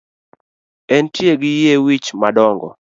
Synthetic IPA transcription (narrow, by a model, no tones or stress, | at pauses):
ɛntjeɡɪjewit͡ʃmadɔŋɡɔ̰